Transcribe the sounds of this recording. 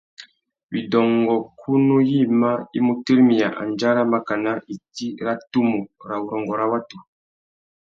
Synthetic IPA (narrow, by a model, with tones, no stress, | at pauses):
bi˨dɔ˨ŋɡɔ˨kʰu˦nu˦ji˦˨ma˦i˦mu˦te˦ɾi˦mi˨ja˨ʔa̰˨nd͡ʒa˦ɾa˦ma˨ka˨na˦i˨ti˦ɾa˦tu˦mu˨ɾa˨wu˨ɾɔ˨ŋɡɔ˨ɾa˦wa˦tu˨